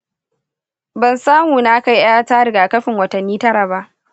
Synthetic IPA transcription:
bɐ˨nsaː˦muː˨naː˦ka˦ji˦ʔaː˦taː˦ɽɪ˨ɡaː˨kɐ˦ɸɪ˨ŋwɐ˨tɐ˨nːiː˦tɐ˦ɽaː˨ba˦ʔ

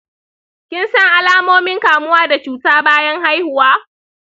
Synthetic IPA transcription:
kʲɪ˦nsɐ˦ŋʔa˦laː˦moː˦mɪ˦ŋkaː˨mʊ˦waː˦da˨t͡ʃuː˨taː˦baː˦jɐ˦ŋɦa˦jhʊ˨waː˦

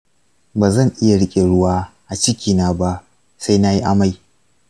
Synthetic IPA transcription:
baː˨zɐ˦ŋʔɪ˦ja˨ɽɪ˦kʲʼe˨ɽʊ˦waː˦ʔa˨t͡ʃɪ˦kʲiː˨naː˦ba˦ʔ | sa˦jna˦ji˦ʔa˦ma˦˨j

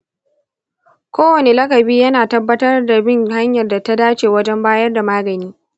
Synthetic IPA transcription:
kʷoː˦wɐ˨ne˦lɐ˦kɐ˨biː˦jɐ˦naː˨tɐ˦bːɐ˦tɐ˦rda˨bɪ˦ŋha˦ɲjɐ˨rda˨ta˦daː˦t͡ʃeː˨wɐ˦d͡ʒɛ˦mbaː˦jɐ˦rda˨maː˦ɡɐ˨niː˦

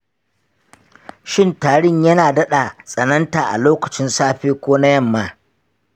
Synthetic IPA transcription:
ʃɪ˦ntaː˨ɽɪ˦˨ɲjɐ˦naː˨dɐ˦ɗa˨sʼɐ˨nɐ˦ntaː˨ʔa̰˨loː˦kɐ˨t͡ʃɪ˦nsaː˦ɸeː˦kʷoː˦na˦jɐ˦˨mːaː˦

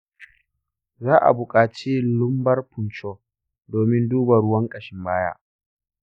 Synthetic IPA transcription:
zaː˦ʔa̰˨bʊ˨kʼaː˨t͡ʃe˦lʊ˦mbɐ˦rpʊ˨nt͡ʃoː˦ | doː˨mɪ˦nduː˦ba˨ɽʊ˦wɐ˦ŋkʼɐ˨ʃɪ˦mbaː˦ja̰ː˦ʔ

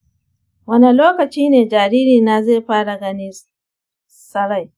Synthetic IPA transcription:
wɐ˦ni˦loː˦kɐ˨t͡ʃiː˦neː˨d͡ʒaː˨ɾiː˦ɾiː˨na˨zeː˦˨ɸaː˦ɽa˨ɡɐ˦ni˦ | sɐ˦ɽa˨j

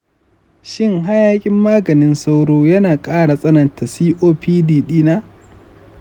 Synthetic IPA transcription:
ʃɪ˦ŋɦa˦jaː˦kʲʼɪ˦mːaː˦ɡɐ˨nɪ˦nsa˦wɽoː˦jɐ˦naː˨kʼaː˦ɽa˨sʼɐ˦nɐ˨ntʰa˨siː˦ʔoː˦piː˦diː˦ɗiː˦naː˦

